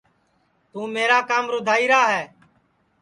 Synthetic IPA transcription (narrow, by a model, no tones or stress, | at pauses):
t̪ũːmeːɾaːkaːmɾʊd̪ʱaːiːɾaːɦɛː